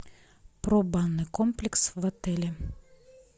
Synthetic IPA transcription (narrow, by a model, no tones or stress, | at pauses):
pɾobanːɨkomplʲɪksvɐt̪ɛlʲɪ